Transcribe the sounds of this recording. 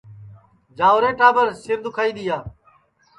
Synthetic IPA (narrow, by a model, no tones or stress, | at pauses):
d͡ʒaːʋɾẽːʈaːbəɾsɪɾd̪ʊkʰaːiːɗ̪ɪjaː